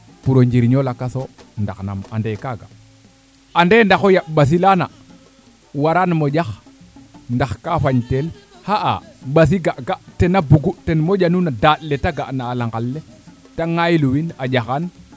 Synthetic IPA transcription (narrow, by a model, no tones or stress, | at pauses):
puɾoɲd͡ʒiɾɲolakasonda̰xna̰ma̰ndekaɡa̰ | andendaxojaɓas̬ilana | waɾanmoɟax | ndaxkafaɲtel | haʔa̰ɓas̬iɡaʔɡaʔtenabuɡutenmoɟanunadaɗletaɡaʔnaːlaŋɡalːe | taŋajluwinad͡ʒaxan